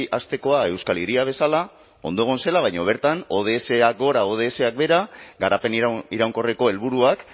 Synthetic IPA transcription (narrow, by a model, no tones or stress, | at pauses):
ʔast̪e̞ko̞ae̞wskaleɾiaβ̞e̞sala | o̞̰nd̪oɣ̞o̞nse̞laβajɲo̞β̞e̞ɾt̪ano̞ð̞e̞ːse̞ak̚ɡo̞ɾaoð̞e̞ːse̞ak̚be̞ɾaɡaɾape̞niɾawŋko̞reko̞e̞lβ̞uɾuak